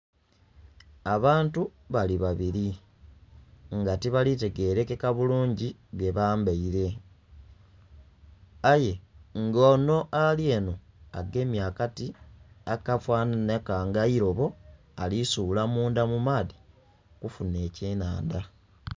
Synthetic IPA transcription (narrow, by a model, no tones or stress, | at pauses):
aβaːntu | βaliβaβiɾi | ŋɡatiβalite̞ɡe̞ɾe̞kekaβuluːɲɟiβje̞βaːmbaiɾe̞ | aje̞ŋɡoːno̞ʔalje̞ːno̞ | aɡe̞mjaːkati | akafwaːnanakaŋɡaiɾo̞βo̞ | alisuːlamuːndamumaːði | kufune̞ːceːnaːnda